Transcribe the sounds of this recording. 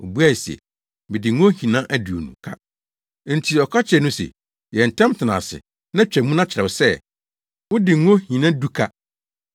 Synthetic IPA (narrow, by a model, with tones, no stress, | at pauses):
o˨bu˦a˦˨sɛ̰˨ | mɪ̃˨dɪ˨ŋõ˦hĩ˨nã˦ʔæ˦di˨o̰˨nṵ̃˨kʰa̰˦˨ | n̩˨tʰi˨ɔ˨kʰa˦t͡ɕʰɛ˨nũ˦sɛ̰˨ | jɛ˨n̩˨tʰɛ̃˦mtʰɪ˨nã̰ː˨sɪ̰˨ | nã˦t͡ɕᶣɛ˨mũ˦nã˦t͡ɕʰɪ˨ɾɛ˨wʊ˨sɛ˦ | wʊ̃˦dɪ˨˦ɔ̃˦hĩ˨nã˦du˦kʰa˦